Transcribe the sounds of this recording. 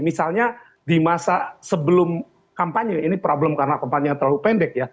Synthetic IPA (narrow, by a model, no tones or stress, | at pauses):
misalɲa | dimasasəbəlʊm | kampaɲəinipɾobləmkaɾənakampaɲat̪ərlalupɛndɛk̚ja